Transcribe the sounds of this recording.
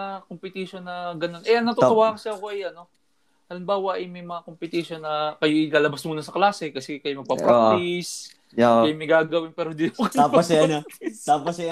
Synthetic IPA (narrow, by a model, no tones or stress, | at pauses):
kompɪt̪iʃonːɐɡɐno̞nʔɛʔɐŋnɐt̪oowaːhɐŋsɐɐkoʔɐjɐnːo̞ | ʔɐlɪmbaːwɐʔɐjmɐjmɐŋakompɪt̪iʃo̞nːɐkɐjoʔɪlaːlɐbɐsmuːnɐsɐklaːsɛkɐsɛkɐjomɐɡ̚papɾais | kɐjomɐjɡaːɡɐwɪnpɛːɾod̪inɐpokɐaposɐnt̪aːposj